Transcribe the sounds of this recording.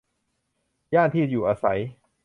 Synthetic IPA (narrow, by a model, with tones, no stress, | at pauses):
jaː˥˩nt̪ʰiː˥˩juː˨˩ʔaː˧sa̰˩˦j